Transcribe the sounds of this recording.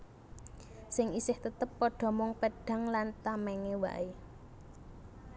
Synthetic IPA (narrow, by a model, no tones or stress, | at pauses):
sɪŋisɪht̪ət̪əpːɔɖ̥ɔ̤mʊŋpeɖ̥ä̤ŋlant̪amɛŋewa̰ʔe